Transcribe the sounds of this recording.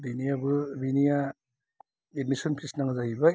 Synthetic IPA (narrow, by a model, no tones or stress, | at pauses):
binijabɯbinija | edmisɔnpʰisnaŋzaɦiba